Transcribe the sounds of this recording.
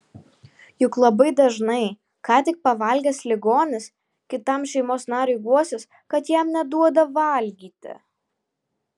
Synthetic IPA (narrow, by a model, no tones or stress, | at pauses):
jʊklˠɐbɐɪd̪ɐʒnɐɪ | kɑːt̪ʲɪk̚pɐʋɐˑlʲɡʲɛslʲɪɡoːnʲɪs | kʲɪt̪ɐmʃʲɛɪmoːsnɑːɾʲɛɪɡuɔsʲɪs | kɐt̪jæmnʲɛd̪uɔd̪ɐʋɐˑlʲɡʲiːt̪ʲɪ̰